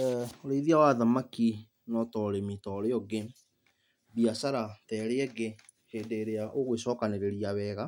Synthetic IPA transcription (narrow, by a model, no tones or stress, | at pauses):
oɾeiðiawaðamaki | nɔtɔɾemitɔɾeɔɡe | biasaɾatɛːɾeɛɡe | heːndeɾeaʔoɣwesɔːkaneɾeɾiaβɛːɣa